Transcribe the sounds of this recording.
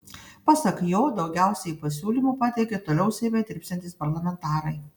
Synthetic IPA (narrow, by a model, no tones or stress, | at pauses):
pɑsɐkjoːd̪ɒʊɡʲæˑʊsʲɛipɐsʲuːlʲimuːpɑːt̪ʲɛɪkʲet̪oːlʲɛʊsʲɛɪmʲɛt̪ʲɾʲɪpʲsʲɛnt̪ʲɪːspɐɾlˠɐmʲɛnt̪ɑːɾɐɪ